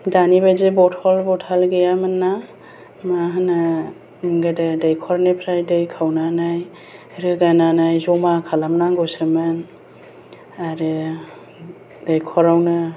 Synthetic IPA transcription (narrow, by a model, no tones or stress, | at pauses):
danibajzebɔtʰɔlbɔtʰalɡejamanːa | maɦɯna | ɡadadajkʰɔɾnepʰɾajdɯjkʰawnanaj | ɾɯɡananajzɔmakʰalamnaɡɔsɯmɯn | aɾɯ | dajkʰɔɾawnɯ